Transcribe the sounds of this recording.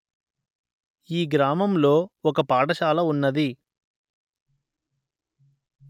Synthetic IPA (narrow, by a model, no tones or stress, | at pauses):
iːɡɾaːmɐmlo̞ːɔkɐpaːʈɐʃaːlɐunːɐd̪i